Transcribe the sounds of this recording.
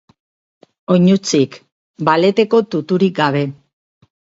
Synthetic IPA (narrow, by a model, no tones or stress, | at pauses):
o̞ɲut͡sik | bale̞t̪e̞ko̞t̪ut̪uɾik̚ɡaβ̞e̞